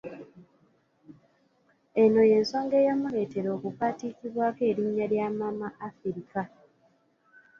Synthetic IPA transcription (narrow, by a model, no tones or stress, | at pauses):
e̞no̞je̞ːnso̞ːŋɡe̞ːjamuɾe̞ːte̞ɾo̞ːkukaːtikiβwaːke̞ːɾiɲːaljaːmamaʔːfiɾika